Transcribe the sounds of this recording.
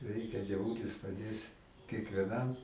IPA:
ˈrʲɛɪkʲɛ dʲiɛˈʋuːlʲɪs pɐˈdʲeːs kʲiɛkʋʲiɛˈnɐm

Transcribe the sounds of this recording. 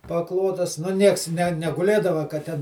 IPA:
pɐˈklˠoːtɐs nʊ ˈnʲiɛks nʲɛ nʲɛɡʊˈlʲeːdɐʋɐ kɐ ˈtʲɛn

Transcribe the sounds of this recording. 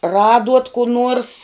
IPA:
ˈrɑːduɔt kʊ ˈnuɔrs

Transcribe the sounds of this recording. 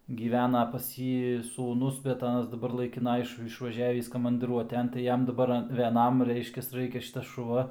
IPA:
ɡʲiːˈʋʲæːnɐ pɐs ˈjiː suːˈnʊs bʲɛt ˈɑːnɐs dɐˈbɐr lˠɐɪkʲɪˈnɐ ˈɪʃ ɪʃʋɐˈʒʲæːʋʲiːs kɐmɐndɨˈruɔtʲɛn tɐɪ ˈjɛm dɐˈbɐr ʋʲɛˈnɐm ˈrʲɛɪʃʲkʲɛs ˈrɐɪkʲɛ ˈʃʲɪtɐs ʃʊˈʋɐ

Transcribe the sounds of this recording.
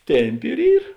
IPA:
ˈtʲɛmʲˌpʲɪ ɪr ˈiːr

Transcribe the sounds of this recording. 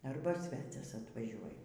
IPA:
ˈɐrbɐ ˈsʲʋʲæːt͡sʲɛs ɐtʋɐˈʒʲuɔj

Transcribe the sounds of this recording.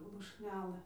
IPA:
lˠʊʃʲˈnʲæːlˠɘ

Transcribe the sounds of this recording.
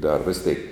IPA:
dɐr ˈʋʲɪs tʲɛɪk

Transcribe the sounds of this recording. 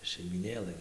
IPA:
ʃʲɛɪmʲiːˈnʲeːlˠɘ

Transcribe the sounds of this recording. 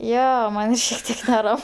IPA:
ˈjoː ˈmɐnʲ ʃʲiɛk ˈtʲiɛk nʲɛˈrɐm

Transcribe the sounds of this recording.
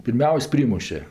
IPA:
pʲɪrʲˈmʲɛʊsʲ ˈpʲrʲiːmʊʃʲɛ

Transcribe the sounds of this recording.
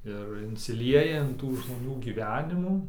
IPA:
ɪr ɪnʲsʲɪˈlʲiɛjɛ ɪn ˈtuː ʒmoːˈnʲuː ɡʲiːˈʋʲæːnʲɪmuː

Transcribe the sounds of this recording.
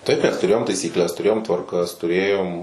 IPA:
ˈtɐɪp mʲɛs tʊˈrʲeːjoːm tɐɪsʲiːkˈlʲɛs tʊˈrʲeːjoːm tʋɐrˈkɐs tʊˈrʲeːjoːm

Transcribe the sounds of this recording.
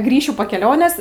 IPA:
ˈɡrʲiːʃʲʊ poː kʲɛˈlʲoːnʲeːs

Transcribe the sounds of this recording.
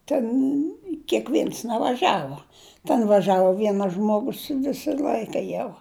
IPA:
tʲɛn kʲeːkˈʋʲeːns nʲɛʋɐˈʒɑːʋuɔ tʲɛn ʋɐˈʒɑːʋoː ˈʋʲiɛnɐs ʒmoːˈɡʊs ˈʋʲɪsɐ ˈlʲɐɪkɐ jɛʊ

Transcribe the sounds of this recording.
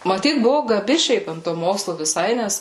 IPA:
mɐˈtʲiːt bʊʋʊ ɡɐˈbʲɪ ˈʃʲɛɪp ɐnt toː ˈmoːkslˠʊ ʋʲɪˈsɐɪ ˈnʲɛs

